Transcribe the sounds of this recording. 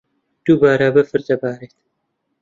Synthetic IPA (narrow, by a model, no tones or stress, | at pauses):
d̪̥ubaːɾabɐfɨɾt̪ɐbaːɾet̪